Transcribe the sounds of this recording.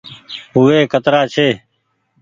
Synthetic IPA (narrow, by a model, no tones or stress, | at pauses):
ɦʊʋeːkʰət̪ɾaːt͡ʃʰeː